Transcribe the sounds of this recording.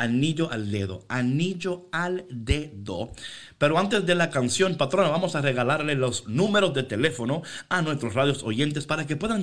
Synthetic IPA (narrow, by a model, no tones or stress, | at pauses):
aniʎo̞ʔald̪e̞ðo̰aniʝo̞ald̪eðo̰ | pe̞ɾoant̪e̞zðe̞lakansjo̞npat̪ɾo̞naβamo̞sare̞ɣalaɾlelo̞snume̞ɾo̞zd̪et̪e̞le̞fo̞no̞anwe̞st̪ɾosraðjo̞soje̞nt̪̬e̞spaɾakepwe̞ðaŋ